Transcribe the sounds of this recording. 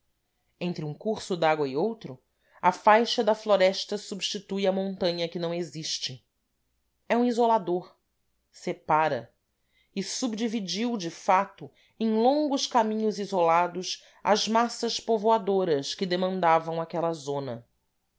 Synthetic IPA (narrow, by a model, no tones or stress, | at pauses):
ẽnt̪ɾɪũkuɾsʊd̪aɡwɐiowt̪ɾʊ | ɐfajʃɐd̪ɐfloɾɛʃt̪ɐsubʃt͡ʃit̪ujɐmõnt̪ɐ̃ɲɐkɪnɐ̃w̃eziʃt͡ʃɪ | ɛũizolad̪oɾ | sepaɾɐ̰ | ɪsubd͡ʒivid͡ʒiwd͡ʒɪfat̪ʊ | ẽj̃lõŋɡʊʃkamĩɲʊzizolad̪ʊs | ɐ̰zmasɐʃpovoad̪oɾɐskɪd̪emɐ̃nd̪avɐ̃w̃akɛlɐzõnɐ